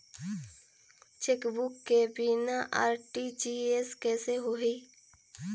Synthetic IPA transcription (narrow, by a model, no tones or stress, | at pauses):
t͡ʃeːkbʊkːebinaʔaːɾʈid͡ʒieskɛːseɦoɦiː